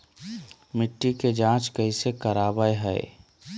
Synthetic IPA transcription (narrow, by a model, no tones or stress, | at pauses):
mɪʈːiked͡ʒãːt͡ʃkəɦisekəɾaːbəeɦəḛ